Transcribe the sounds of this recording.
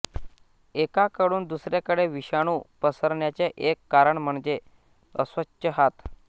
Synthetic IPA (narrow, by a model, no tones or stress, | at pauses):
ekakəɽuːnd̪usɾjakəɽeʋiɕaɽ̃uːpəsəɾɳjat͡ɕeʔekːaɾəɳm̤əɳd͡ʑe | əsʋət͡ɕɕəɦat̪